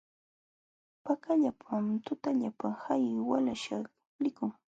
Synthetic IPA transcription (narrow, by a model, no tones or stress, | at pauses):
pakaʎapʰamt̪ʊt̪aʎapahajwalaʃaχ | lɪkʊŋ